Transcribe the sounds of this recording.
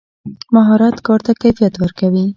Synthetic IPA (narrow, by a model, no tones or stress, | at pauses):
maɦɑɾɑt̪kɑɾt̪akajfijat̪wəɾkawi